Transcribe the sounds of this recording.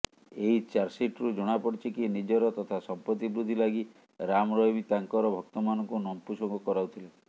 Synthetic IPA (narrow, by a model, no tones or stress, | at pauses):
eɦit͡ʃaɾsiʈɾud͡ʒɔɽ̃apɔɽt͡ʃʰikinid͡ʒɔɾɔt̪ɔt̪ʰasɔmpɾɔt̪ibɾud̪ʱːilaɡi | ɾamɔɾɔɦimit̪aŋkɔɾɔbʱɔk̚t̪ɔmanɔŋkunɔmpusɔŋɡɔkɔɾawt̪ʰile